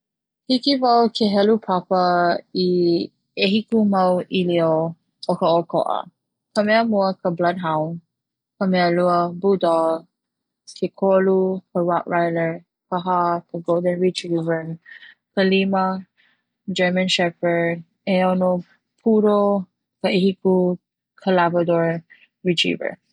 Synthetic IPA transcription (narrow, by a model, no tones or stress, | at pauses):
hikivawkʰeɦɛlupʰapəi | eɦikumɐwilio | ʔokəokʰo̰ʔə̰ | kəmɛəmuəkəblɐd̚ɦawn | kəmɛəluəbudɔ | kʰekʰolukəɹaʔɹajləɹ | kəɦakʰəɡolˠdə̃nɹitivə | kəlimɐ | d͡ʒɛ˞mə̃nʃɛfə˞ | ɛono | pʰuɾo | kəeɦiku | kʰəlabɹədɔɹ | ɹit͡ʃḭvə̰˞